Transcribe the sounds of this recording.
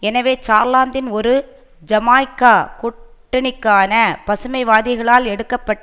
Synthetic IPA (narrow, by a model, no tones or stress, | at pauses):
ɛnɐʋeːt͡ʃaːɾlaːnd̪ɪnɔɾɯ | d͡ʒɐmaːjkːaːkʊʈːɐnɪkːaːnɐpɐsɯmɐɪʋaːðɪɣɐɭaːlɛɽɯkːɐpːɐʈː